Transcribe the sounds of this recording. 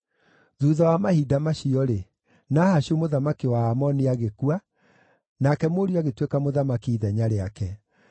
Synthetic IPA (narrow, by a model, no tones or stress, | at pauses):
ðuðawamahidamaɕiɔɾe | nahaɕiomoðamakiwaːmɔniaɣekua | nakɛmoɾiaɣetwekamoðamakiːðɛɲaɾeakɛ